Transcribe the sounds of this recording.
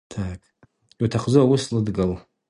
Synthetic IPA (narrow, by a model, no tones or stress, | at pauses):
tʰakʼ | iwtʰaχzuawuslɨdɡal